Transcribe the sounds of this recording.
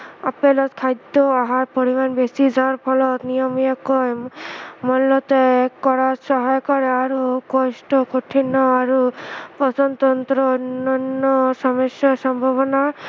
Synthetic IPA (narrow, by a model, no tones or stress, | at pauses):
apelɔt̪kʰajd̪ɔaɦaɾpoɾimanbesid͡ʒaɾpʰɔlɔt̪nijɔmijakɔj | mɔnlɔt̪ekɔɾasɔɦajkɔɾeaɾukɔsʈɔkoʈʰinɔaɾupɔtɔnt̪ɔnt̪ɾɔonːanːɔsɔmɔsjɔsɔmbʱaβɔna